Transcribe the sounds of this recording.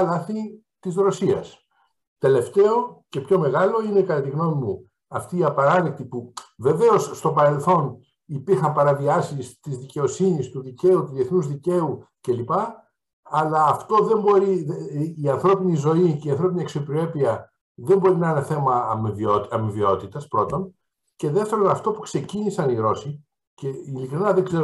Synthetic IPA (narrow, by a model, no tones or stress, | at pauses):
ɐlɐθi | t̪izɾo̞siɐ̰s | t̪e̞le̞ft̪e̞o̞ce̞pço̞me̞ɣɐlo̞ine̞kɐt̪ɐt̪iɣno̞mimu | ɐft̪iːɐpɐɾɐlekt̪ipuve̞ve̞o̞sːt̪o̞pɐɾe̞lθo̞n | ipiɾxɐmpɐɾɐviɐsist̪izðice̞o̞sinist̪uðice̞ut̪uðieθnuzðice̞u | ce̞lipɐː | lɐːft̪o̞ðe̞mbo̞ɾiðːɐnθɾo̞pinizo̞iceiɐnθɾo̞piniɐksiopɾoe̞piɐ | ðe̞mbo̞ɾinɐineθe̞mɐmivot̪ɐmivio̞t̪it̪ɐspɾo̞t̪o̞n | ce̞ðeft̪e̞ɾo̞nɐft̪o̞pu̥kse̞cinisɐniɣɾo̞si | ce̞ilikɾinɐðeɡzeɾ